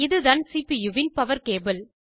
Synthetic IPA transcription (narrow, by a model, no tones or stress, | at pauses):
ɪðɯðɐnsiːpijuʋɪnpɐʋɐɾkeːbɪl